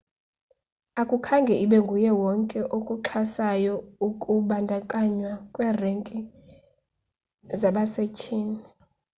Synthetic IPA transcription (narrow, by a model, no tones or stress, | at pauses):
akʼukʰaŋɡʱɛʔiɓɛŋɡʱujɛwɔŋkʼɛʔokʼuǁʰasajɔukʼuɓandʱakʼaɲwakʼwɛːreŋkʼi | zaɓasecʰʼiːni